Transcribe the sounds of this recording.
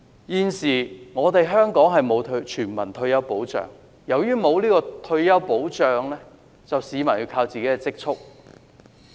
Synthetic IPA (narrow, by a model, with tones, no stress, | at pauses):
jiː˨˧nsiː˨˩ŋɔː˨˧t̪e˨jɦœː˥ŋkɔː˨˥ŋɦɐ˨jmo˨˧wt̪ʰt͡ʃʰyː˨˩nmɐ˨˩nt̪ʰɵ˧ɥjɐ˥wpo˨˥wt͡ʃœ̰ː˨ŋ | jɐ˨˩wjyː˥mo˨˧wliː˥kɔː˧t̪ʰɵ˧ɥjɐ˥wpo˨˥wt͡ʃœː˨ŋlɛː˥ | t͡sɐ˨wsiː˨˧mɐ˨˩njiː˧wkʰaː˧wt͡siː˨ke˨˥kɛ˧t͡sɪ˥k̚t͡ʃʰʊ˥k̚